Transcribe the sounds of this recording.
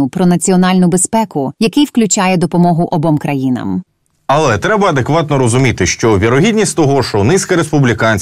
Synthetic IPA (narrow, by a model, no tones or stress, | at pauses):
ʊpɾɔnɐt͡sʲiɔnɑlʲnʊbespɛkʊjɐkɪjwklʲʊt͡ʃɑjɛd̪ɔpɔmɔɦʊʔɔbɔmkɾɐjinɐ̰m | ɐlˠɛt̪ɾɛbɐːd̪ekʋɑt̪nɔɾɔzʊmʲit̪ɪʃt͡ʃɔʋʲiɾɔɦʲidʲnʲisʲtʲt̪ɔɦɔʃɔnɪsʲkɐɾespʊblʲikɑnʲt͡sʲ